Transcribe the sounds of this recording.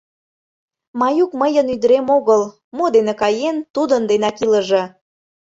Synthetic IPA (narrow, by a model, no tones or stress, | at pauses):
mɑjukməjənyd̪əɾemoɣəl | mod̪enĕkɑjent̪ud̪ənd̪enɑkiləʒe